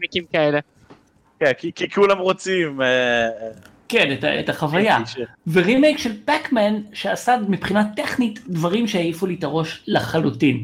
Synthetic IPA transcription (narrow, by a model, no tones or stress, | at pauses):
mekimkaele | kenkikikulamʁot͡sime | keneta̰etaχavajaveʁimejkʃe̞lpakmanʃeasadmipχinat̪ːe̞χnitdvaʁimʃeajifulitaʁo̞ʃlaχalutin